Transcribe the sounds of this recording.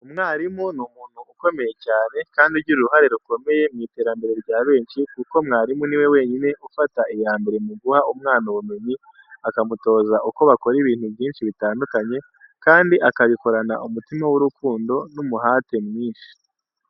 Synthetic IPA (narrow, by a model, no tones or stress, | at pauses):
umŋaːɾimonumuːn̥huːko̞me̞je̞caːne̞kaːndiɾɟuɾuɾuɦaɾe̞ɾuko̞me̞je̞mŋiːte̞ːɾambe̞ɾe̞ɾɟaːβe̞ːnʃikuko̞mŋaːɾimuniwe̞we̞ːɲine̞ʔufataʔijaːmbe̞ɾemuɡuhaumŋaːnuβume̞ɲi | akamuto̞ːzaʔuko̞βako̞ɾiβiːnhuvjiːnʃiβitaːndukaɲe̞ | kaːndiʔakaβiko̞ɾanaʔumutimawuɾukuːndo̞numuɦaːte̞mŋiːnʃi̥